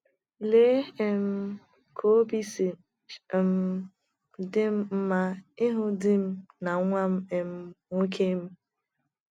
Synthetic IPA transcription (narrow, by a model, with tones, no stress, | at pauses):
le˦e˦m̩˦ | kʰo˦bi˦si˨˦˨ | m̩˦ | dɪ˦m̩˦ma˦ɪ˦ɦʊ˦dɪ˦m̩˦na˨˦ŋʷa˦m̩˦e˨m̩˦ŋo˦kʰe˦m̩˦